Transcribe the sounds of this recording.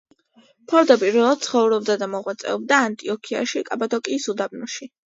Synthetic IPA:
pʰɔɾd̪apʼiɾvɛlˠad̪t̪sʰχɔvɾɔb̚d̪ad̪amɔʁwat̪sʼɛ̰ɔbd̪aːnt̪ʼiɔkʰia̰ʃikʼabad̪ɔkʼiːsud̪abnuʃi

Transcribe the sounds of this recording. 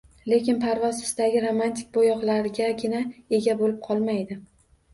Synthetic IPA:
le̞kʲɪnpʰaɾvɒzɪ̥sd̪̥aɡʲɪɾomant̪ʰɪ̥k̚ʲbojɒqlˠaɾɪɡʲaɡʲɪnae̞ɡʲabolɪp̚qʰɒlˠmajd̪ɪ

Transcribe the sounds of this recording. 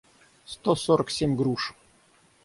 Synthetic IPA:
st̪osoɾəksʲemʲɡɾuʂ

